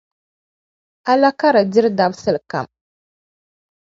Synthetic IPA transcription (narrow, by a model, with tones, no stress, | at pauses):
ʔa˦la˦ka˦ɾa˨di˦ɾda˦bsɨ˦lka̰˨m